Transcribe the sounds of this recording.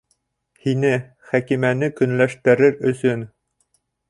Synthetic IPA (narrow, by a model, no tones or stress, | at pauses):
hinɘ | χækimænɘkɵ̆nlæʃt̪ɘ̆ɾɘɾɵ̆sɵn